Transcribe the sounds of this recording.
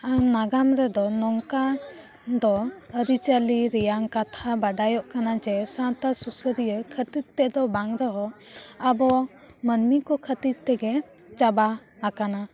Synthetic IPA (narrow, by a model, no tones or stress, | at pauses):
anaɡamɾɛd̪ɔnɔŋka | d̪ɔəɾit͡ʃəliɾɛjaŋkat̪ʰabaɖajɔʔkanad͡ʒɛsãt̪asusəɾijəkʰət̪it̪̚t̪ɛd̪ɔbaŋɾəɦɔabɔ | mənmikɔkʰət̪it̪̚t̪ɛɡɛ | t͡ʃabaakana